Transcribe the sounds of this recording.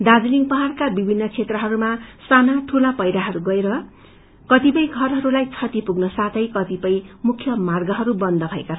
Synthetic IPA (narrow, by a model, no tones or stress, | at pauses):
d̪ad͡ziliŋpʌɦarkabibʱinːʌkt͡sʰet̪rʌɦʌɾumasanaʈʰulapʌjɾaɦʌɾuɡʌeɾʌ | kʌt̪ipʌjɡʱʌrɦʌɾulajt͡sʰʌt̪ipuɡnʌsat̪ʰʌjkʌt̪ipʌjmukʰjʌmarɡʌɦʌɾubʌnd̪ʱʌbʱʌeka